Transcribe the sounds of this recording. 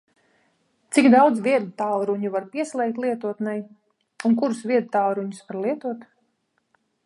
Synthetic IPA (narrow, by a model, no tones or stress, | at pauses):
t̪sikd̪awd̪zvʲiɛd̪ut̪alˠɾuɲuvaɾpiɛslˠɛjk̚t̪ʲlˠiɛt̪uɔt̪nɛj | unkuɾusviɛd̪t̪alɾuɲusvaɾlˠiɛt̪uɔt̪